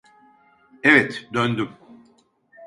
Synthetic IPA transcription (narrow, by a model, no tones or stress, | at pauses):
ɛvɛt̪d̪ønd̪ym